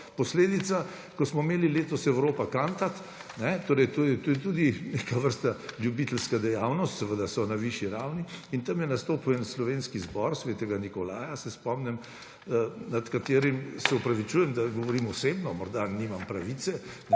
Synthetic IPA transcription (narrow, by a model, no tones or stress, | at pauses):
pɔsleːd̪it̪sa | kɔsmɔimeːlileːt̪ɔsɛwɾoːpakant̪at̪ | nɛt̪oːɾɛjt̪oːjɛt̪ojɛt̪ud̪inekaʋəɾst̪aljubit̪əlskad̪ɛjawnɔst̪sɛʋəd̪asɔnaʋiʃjiɾawniint̪ɐmjɛnast̪oːpuɛnslɔʋenskizbɔɾsʋeːt̪ɛɡanikɔlaːjasɛspɔmnɛm | nat̪kat̪eːɾimsɛɔpɾaʋit͡ʃuːjɛmd̪aɡɔʋɔɾimɔsebnɔmɔɾd̪animampɾaʋit̪sɛ